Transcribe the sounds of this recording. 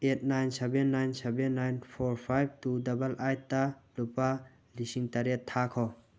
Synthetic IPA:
et̚najnsebenːajnsebenːajnpʰoɾpʰajb̚tudɐbɐlʔajtːalupa | lisiŋtɐɾetʰːakʰɔ

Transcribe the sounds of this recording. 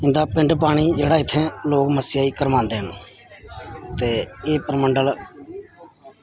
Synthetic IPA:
ɪ̃nd̪aːpɪ̃ɳɖp̬aːɽ̃iːd͡ʒeːɽaːɪt̪ʰːẽːloːkməsɪjaːiːkəɾʋãːnd̪eːɦən | t̪eːeːpəɾməɳɖəl

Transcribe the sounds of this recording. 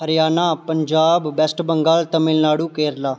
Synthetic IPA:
ɦəɾɪjaːnaːpəɲd͡ʒaːbːɛsʈbəŋɡaːlt̪əmɪlnaːɽuːkeːɾlaː

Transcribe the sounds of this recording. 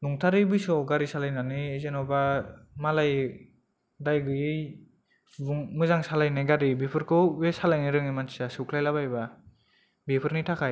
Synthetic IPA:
nuŋtʰaɾɯjbɯjsɔɡaɾisalajnanɯːzenɔbamalaj | dajɡɯjɯj | bɯŋmɯzaŋsalajnajɡaɾibipʰɯɾkʰɯwwesalajniɾɯŋimansasɯkʰlajlabajba | bipʰɯɾnitʰakʰaj

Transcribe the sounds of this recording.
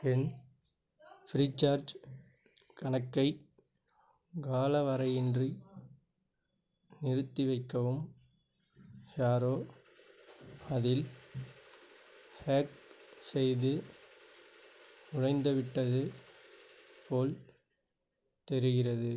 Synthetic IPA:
pɛn | fɾiːt͡ʃːaːɾd͡ʒ | kɐɳɐkːɐɪ | ɡaːlɐʋɐɾɐjɪndri | nɪɾɯt̪ːiʋɐɪkːɐʋɯm | jaːɾoː | ɐðɪl | heːksɛjðɯ | ʊɻɐɪnd̪ɐʋɪʈːɐðɯ | poːl | t̪ɛɾɯɣɪrɐðɯ

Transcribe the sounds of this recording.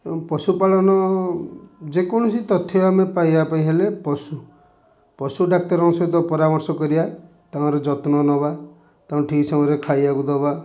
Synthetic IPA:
pɔsupaɭɔnɔ | d͡ʒekɔñɔsit̪ɔt̪ʰːeamepajbapaĩɦelepɔsu | pɔsuɖak̚t̪ɔɾɔ̃ŋsɔt̪ɔpɔɾamɔɾsɔkɔɾia | t̪aɔ̃ɾed͡ʒɔt̪nɔnɔba | t̪aɔ̃ʈʰisaɾekʰajakud̪ɔba

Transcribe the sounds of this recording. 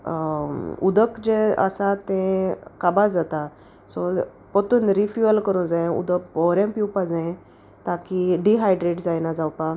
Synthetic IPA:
ud̪əkd͡ʑeə̰sat̪ẽkabad͡zat̪a | sɔ | pɔt̪uːnɾifjuəlkəɾũnd͡zãẽṵd̪əkbɔɾãmpiwpad͡zãẽ | t̪akiɖiɦajɖɾeʈd͡zajnad͡zawpa

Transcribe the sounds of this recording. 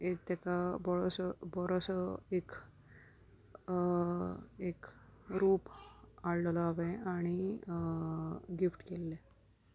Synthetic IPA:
ek̚t̪ekabɔɭɔsəbɔɽɔsəek | ekɾuːpaɭləlɔaʋeaɽ̃i | ɡifʈkelːe

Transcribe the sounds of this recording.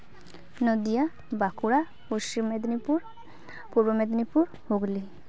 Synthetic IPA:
nɔd̪ija | bakuɾa | poʃt͡ʃimed̪nipuɾ | puɾbomed̪nipuɾ | hoɡli

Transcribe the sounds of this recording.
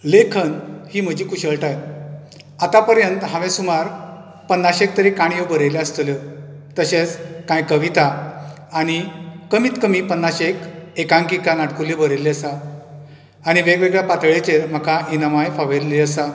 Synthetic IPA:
lekʰənhiːm̤əd͡ʑiːkuɕəɭʈaj | at̪apəɾjənt̪ɦãʋẽsumaɾ | pənːaɕek̚t̪əɾekaɳjebəɾeleəst̪lə | t̪əɕet͡skãjkəʋit̪a | aɽ̃ikəmiːt̪kəmiːpənːaɕekekãŋkikanaʈkulebəɾeleəsaː | ɽ̃iʋeɡʋeɡɭjapat̪ɭet͡ɕeɾm̤əkainəmajfaʋelːeəsa

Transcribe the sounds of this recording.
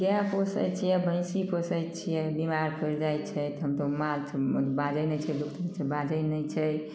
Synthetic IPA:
ɡjapʰosə̰jt͡ʃʰijɛbə̃j̃sipʰosəjtt͡ʃʰijɛbimaɾkʰəɾd͡ʒajt̪t͡ʃʰəjt̪ɦəmt̪omalt͡ʃʰbad͡ʒəjnəjt͡ʃʰɛd̪ukt̪ʰət͡ʃʰəbad͡ʒəjnəjt͡ʃʰəj

